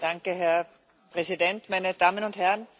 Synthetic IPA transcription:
d̥aŋkəɦɛɐ | pʁ̥ɛzidɛntmaɪnəd̥aːmənʊnthɛɐən

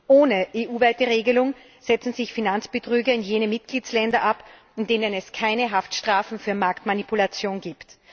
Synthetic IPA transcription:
ʔoːnəʔeːʔuːvaɪtəʁeːɡəlʊŋ | z̥ɛt͡sn̩zɪçfinant͡sb̥ətʁ̥yːɡɐɪnjeːnəmɪt̚ɡ̥liːt͡sslɛndɐʔap | ɪndeːnənɛskʰaɪnəɦaftʃtʁ̥aːfn̩fyːɐmaɐktmanipulat͡sjoːnɡiːpt

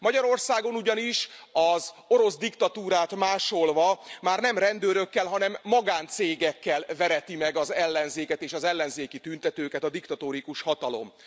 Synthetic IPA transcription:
mɒɟɒɾo̞rsaːɡo̞nuɟɒniʃɒzo̞ɾo̞zd̪ikt̪ɒt̪uːɾaːt̪maːʃo̞lvɒmaːrnɛmrɛnd̪øːɾø̞kːɛlɦɒnɛmːɒɡaːnt̪seːɡɛkːɛlvɛɾɛt̪imɛɡɒzɛlːɛnzeːkɛt̪eːʃɒzɛlːɛnzeːkit̪ynt̪ɛt̪øːkɛt̪ɒd̪ikt̪ɒt̪oɾikuʃhɒt̪ɒlo̞̰m

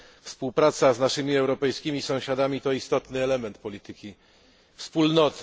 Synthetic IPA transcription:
fspuwpɾat̪saznaʂɘmʲiɛwɾɔpɛjskʲimʲisɔ̃w̃ɕad̪amʲit̪ɔist̪ɔt̪nɘɛlɛmɛnt̪̚pɔlʲit̪ɘkʲi | fspulnɔt̪

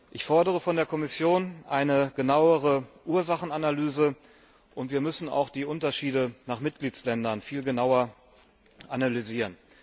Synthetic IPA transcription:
ʔɪçfɔɐdəʁ̞əfɔndeːɐkʰɔmɪsjoːnʔaɪnəɡ̥ənaʊəʁ̞əʔuːɐzaχn̩analyːzə | ʔʊntv̥iːɐmʏsn̩a̰ʊxd̥iːʔʊntɐʃiːdənaːχmɪt̚ɡ̥liːt͡slɛndɐnfiːlɡənaʊɐ | ʔanalyziːʁən

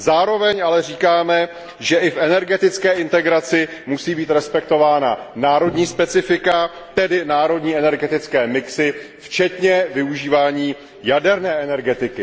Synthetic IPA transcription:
zaːɾo̞vɛɲʔalɛriːkaːmɛ | ʒɛʔɪfɛnɛɾɡɛt̪ɪt͡skɛːʔɪnt̪ɛɡɾat͡sɪmusiːbiːt̪ɾɛspɛk̚t̪o̞vaːna̰naːɾo̞dɲiːspɛt͡sɪfɪka | t̪ɛdɪnaːɾo̞dɲiːɛnɛɾɡɛt̪ɪt͡skɛːmɪksɪft͡ʃɛt̪ɲɛvɪuʒiːvaːɲiː | jadɛɾnɛːʔɛnɛɾɡɛt̪ɪkɪ

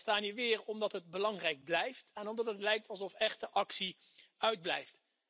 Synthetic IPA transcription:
staːniːɹʋɪːɹɔmdɑtɦətbəlɑŋrɛjɡ̚blɛjftɛnɔmdɑtətlɛjk̚tɑlˠzɔfɛχtdəʔɑksi | œɥd̚blɛ̰jft

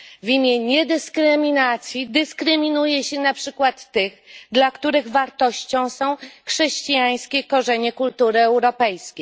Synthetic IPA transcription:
vʲimʲjɛɲɛd̪ɘskɾɘmʲinat̪sʲjid̪ɘskɾɘmʲinujɛɕɛnapʂɘkwat̪ːɘɣd̪lakt̪uɾɘɣvaɾt̪ɔɕt͡ɕɔ̃w̃sɔ̃w̃xʂɛɕt͡ɕijaj̃skʲɛkɔʐɛɲɛkult̪uɾɘɛwɾɔpɛjskʲej

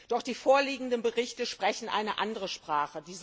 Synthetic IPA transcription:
d̥ɔχd̥iːfoːɐliːɡŋ̩dənbəʁɪçtəʃpʁ̥ɛçn̩ʔa̰ɪnəʔandəʁəʃpʁ̥aːχədiːz

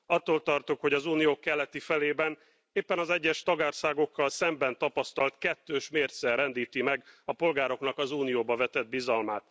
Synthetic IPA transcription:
ɒt̪ːoːlt̪ɒrt̪okho̞ɟɒzuːnijoːkːɛlːɛt̪ifɛleːbɛn | eːpːɛnɒzɛɟːɛʃt̪ɒɡaːrsaːɡo̞kːɒlsɛmbɛnt̪ɒpɒst̪ɒlt̪kɛt̪ːøːʃmeːrt̪sɛrɛnd̪iːt̪imɛɡɒpo̞lɡaːɾo̞knɒkɒzuːnijoːbɒvɛt̪ɛd̪̚bizɒlmaːt̪

